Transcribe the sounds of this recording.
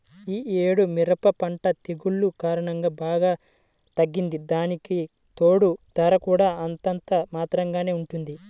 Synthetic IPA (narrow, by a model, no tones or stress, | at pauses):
iːeːɽumiɾɐpɐpɐɳʈɐt̪eɡuɭːukaːɾɐɳɐŋɡaːbaːɡaː | t̪ɐɡːind̪id̪aːniki | t̪oːɽud̪ɐɾɐkuːɽaːɐnt̪ɐnt̪ɐmaːt̪ɾɐŋɡaːne̞ːuɳʈund̪i